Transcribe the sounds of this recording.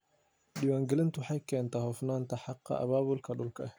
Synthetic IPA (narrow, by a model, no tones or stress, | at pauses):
ɗɪwaːŋɡɛlɪnt̪ʊħajkʰɛːnt̪ɐhɔfnaːnt̪ʰɐħɑqːɑ̰ʔɐ̰βaːβʊlkʰɐɗʊlkʰɐɛ